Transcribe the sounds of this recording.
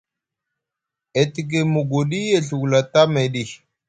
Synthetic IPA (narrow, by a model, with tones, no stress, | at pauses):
e˨ti˨ɡ̬e˨mu˨ɡo˨ɗi˦je˨ɬu˨ɡla˨ta˦me˨ɗi˦˨